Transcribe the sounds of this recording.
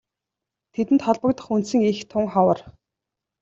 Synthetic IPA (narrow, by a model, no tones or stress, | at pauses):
t̪ʰet̪ɘ̆nt̪χɔɮpə̆kt̪ə̆χunt̪sĭŋixt̪ʰʊŋχɔwə̆r